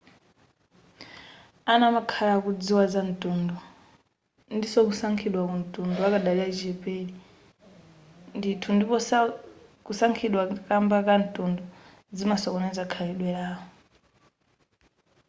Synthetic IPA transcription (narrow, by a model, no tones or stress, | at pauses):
anamakʰalakud͡ziwazan̩tʼundɔ | ndisɔk̬usaŋkʰiɗwakun̩tʼundɔakaɗaliaid͡ʒɛpʼɛli | nditʰundipɔ | kusaŋkʰiɗwakambakan̩tʼundɔ | d͡zimasɔkɔnɛzakʰaliɗwɛaːɦɔ